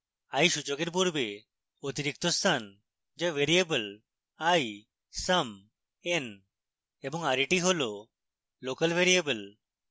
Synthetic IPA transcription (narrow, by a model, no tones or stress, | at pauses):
ajʃud͡ʒoɡeɾp̬uɾbe | ot̪iɾik̚t̪ost̪ʰan | d͡ʒaʋeɾiebəl | aj | səm | en | ebɔŋaɾiʈiɦolo | lokəlʋeɾiebəl